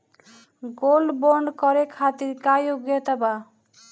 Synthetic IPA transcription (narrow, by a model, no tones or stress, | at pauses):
ɡolboɳɖkɔɾekʰat̪iɾkajoɡet̪aba